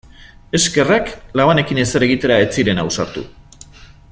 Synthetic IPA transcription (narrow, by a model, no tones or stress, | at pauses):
e̞ske̞raklaβane̞kine̞seɾe̞ɣ̞it̪e̞ɾae̞t͡siɾe̞nawsaɾt̪ṵ